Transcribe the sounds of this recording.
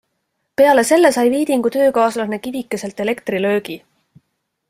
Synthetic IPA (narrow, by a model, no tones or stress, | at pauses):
pe̞ɑle̞se̞lːe̞sɑjviːd̪̥iŋɡ̥ut̪ø̞ːkɑːslɑne̞kivikːˑese̞lt̪ˑe̞le̞kt̪rilø̞ːɡ̥i